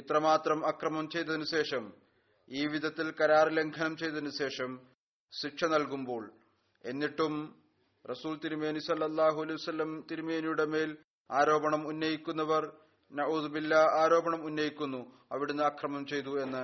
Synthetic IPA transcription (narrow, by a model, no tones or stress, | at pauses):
it̪rɐmaːt̪rɐmɐkrɐmɐmt͡ɕe̞jt̪ːɐðinuɕe̞ːʂɐm | iːʋid̪ʱɐt̪ːilkɐɾaːrile̞ŋɡʰʱɐnɐmt͡ɕe̞jt̪ɐðinuɕe̞ːʂɐm | ɕikʂʰɐnɐlkumbo̞ːɭ | e̞nːiʈːum | rɐsuːlt̪iɾumeːnisɐlːɐlˠːaːɦuɐlɐjʋɐsɐlːɐmt̪iɾume̞ːnijuɽe̞me̞ːl | aːɾo̞ːbɐɳɐmunːɐjikʲːunːɐʋɐr | nɐʔuːðubilːɐaːɾo̞ːbɐɳɐmunːɐjikʲːunːu | ɐʋiɽenːɨɐkrɐmɐmt͡ɕe̞jt̪̬ue̞nːɨ